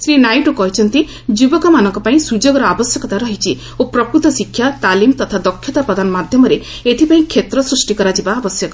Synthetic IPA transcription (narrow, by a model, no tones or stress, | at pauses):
sɾinajʈukɔɦit͡ʃʰɔnt̪i | d͡ʒubɔkɔmanɔŋkɔpaĩsud͡ʒoɡɔɾɔabɔsjɔkɔt̪aɾɔɦit͡ʃʰi | opɾɔkɾut̪ɔsikʰːjat̪alimt̪ɔt̪ʰad̪ɔkʰːjɔt̪apɾɔd̪ʱanɔmad̪ʱjɔmɔɾe | et̪ʰipaĩkʰːet̪ɾɔsɾusʈikɔɾad͡ʒibaːbɔsjɔk